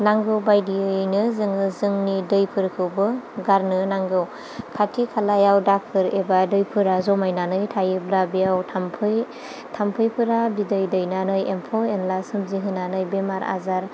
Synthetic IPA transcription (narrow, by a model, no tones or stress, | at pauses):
naŋɡɯwbajdiɯjnɯzɯŋɯzɯŋnidɯjpʰɯɾkʰɯwbɯɡaɾnɯnaŋɡɯw | kʰatʰikʰalajawdak̚ʰɯɾebadɯjpʰɯɾazɔmajnanɯjtʰajɯblabijawtʰampʰɯj | tʰampʰɯjpʰɯɾabidɯjdɯjnanɯjempʰɔenlasɯmziɦɯnanɯjbemaɾa̰zaɾ